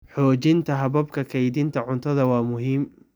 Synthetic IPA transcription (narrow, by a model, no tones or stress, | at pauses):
ħɔːt͡ʃɪnt̪ʰɐɦɐβɐbkʰɐkʰɛjd̪ɪnt̪ʰɐʕʊnt̪ʰɐðɐwɑːmʊɦiːm